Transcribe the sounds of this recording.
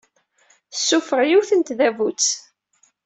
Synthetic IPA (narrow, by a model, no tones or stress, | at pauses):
θsːufəɾjuθənt̪ðævut͡sː